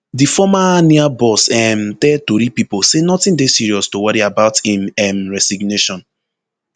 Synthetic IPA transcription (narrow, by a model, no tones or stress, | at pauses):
difɔmaniabɔsɛmtɛd̚toɾipiposenɔtɪ̃ndesiɹiɔstowaɹiabaʊtĩmɛmɹɛsiɡneʃɔ̃n